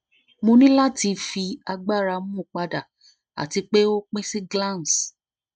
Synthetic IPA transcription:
mo˧nĩ˦la˦ti˧fi˧a˧ɡ͡ba˦˨ɾa˧mũ˦˨k͡pa˧da˨ | a̰˨ti˧k͡pe˦o˦k͡pĩ˦si˦ɡlã˦˨n˨s

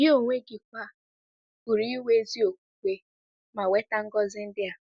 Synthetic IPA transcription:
jɪ˦o˦˨ŋʷe˦ɡɪ˨kʷa˦˨ | u˨ɾi˦i˦we˦zi˦o˨kʷu˨kʷe˦ | ma˨we˦ta˦ŋ̩˦ɡɔ˦zɪ˦n̩˦dɪ˦a˨

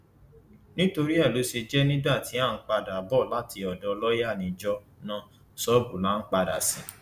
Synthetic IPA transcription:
nĩ˦to˧ɾi˦ɛ˦˨lu˨˦ʃe˧d͡ʒɛ˦nĩ˦da˦˨ti˨˦a˦˨n̩˦k͡pa˧da˨bɔ˦˨la˦ti˧ɔ˨dɔ˧lɔ˦ja˦˨nĩ˧d͡ʒɔ˧ | nã˦ | sɔ˦bu˨la˦n̩˦k͡pa˧da̰˨sĩ˨˦

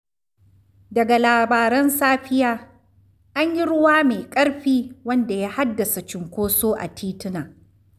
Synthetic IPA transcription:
dɐ˨ɡa˨laː˨baː˨ɾɐ˦nsaː˦ɸɪ˦jaː˦ | ʔa˦ɲji˦ɽʊ˦waː˦meː˨kʼɐ˦ɽɸiː˦wɐ˦nda˨jaː˦ha˦dːɐ˨sa˨t͡ʃɪ˨ŋkʷoː˦soː˦ʔa̰˨tʰiː˦tɪ˦naː˨

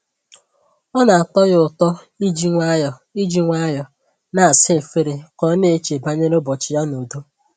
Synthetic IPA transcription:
ɔ˦na˨a˨tɔ˦ɣʊ˨tɔ˦ | i˦d͡ʒi˦ŋʷa˦jɔ˨i˦d͡ʒi˦ŋʷa˦jɔ˨ | na˨a˨sɪ˦e˨fe˦ɾe˨kɔ˦ne˦e˦t͡ʃe˨ba˦ɲe˦ɾo˦bɔ˨t͡ʃɪ˨ja˦no˨do˦

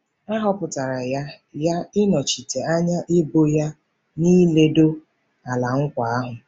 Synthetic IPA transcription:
a˦ɦɔ˦pʊ˨ta˨ɾa˨ja˦ | ja˦ɪ˦nɔ˨t͡ʃi˨te˨a˦ɲa˦ʔɪ˦bo˦ja˦ | niː˦le˦do˦ | a˨la˨ŋ̩˦kʷa˨a˦ɦʊ˨

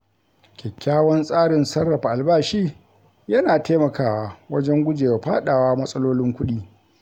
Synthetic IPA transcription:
kʲɛ˨kʲːaː˦wɐ˦nsʼaː˦ɽɪ˨nsɐ˦rːɐ˨ɸa˨ʔa˨lbaː˦ʃiː˦ | jɐ˦naː˨teː˦mɐ˨kaː˨waː˨wɐ˦d͡ʒɛ˦ŋɡʷʊ˦d͡ʒeː˨wa˨ɸaː˦ɗaː˨waː˦mɐ˦sʼɐ˦loː˦lɪ˦ŋkʷʊ˦ɗiː˦

